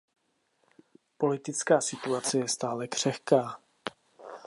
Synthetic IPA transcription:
po̞lɪt̪ɪt͡skaːsɪt̪uat͡sɛjɛst̪aːlɛkr̝̥ɛxkaː

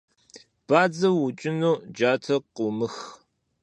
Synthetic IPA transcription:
b̥aːd͡zɐwːʊt͡ʃʼɪnuːd͡ʒaːtʰɐqʊːmɨx

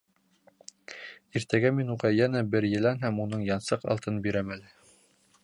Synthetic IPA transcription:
iɾt̪æɡæminuʁɑjænæbɘɾjɘ̆lænɦæmunɤɴjɑnsɤqɑ̰lˠt̪ɤnbiɾæmælɘ

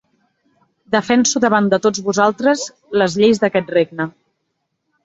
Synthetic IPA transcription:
d̪əfɛnsuðəβand̪ət̪od͡zβuzalˠt̪ɾəz | ləzʎejzd̪əkɛt̪̚reɡ̚nə

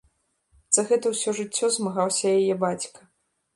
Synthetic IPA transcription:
z̥ɐɣɛt̪ɐwsʲɔʐɨt͡sʲːɔzmaɣawsʲɐjajɛbat͡sʲkɐ̥

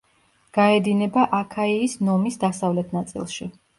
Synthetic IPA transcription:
ɡ̥aɛd̪inɛbaʔakʰaiːsnɔmisd̪asavlɛt̪ʰnat̪sʼḭlˠʃḭ

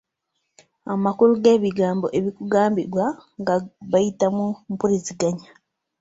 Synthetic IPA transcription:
amakuɾuɡeːβiɡaːmboʔeβikuɡaːmbiɾwaŋɡaβajitamumpuɾiziɡaɲa

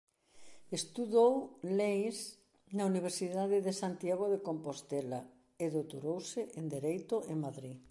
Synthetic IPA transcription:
est̪uðowlejs | nauniβ̞eɾsiðaðɪðesant̪jaɣ̞oðekompost̪ela | eðowt̪oɾowsɪʔend̪eɾejt̪ʊʔeŋmaðɾi

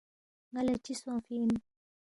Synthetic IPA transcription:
ŋalɛt͡ʃisɔ̃fini

